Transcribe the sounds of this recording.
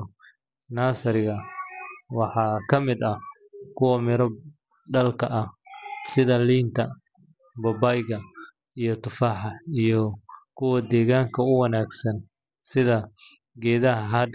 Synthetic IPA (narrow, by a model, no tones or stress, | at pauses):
naːsɐɾɪɣɐ | wɑħɑːkʰɐmɪd̪ɐ | kʰʊwɐmɪɾɔb | ɖɐlkʰɐʔɐsɪðɐliːnt̪ʰɐ | bɔbajɣɐ | ijɞt̪ʊfaːħɑijɔkʰʊwɐd̪ɛːɣaːŋkʰɐʊwɐnaːɡsɐn | sɪðɐ | ɡɛːðɐɦɐɦɐ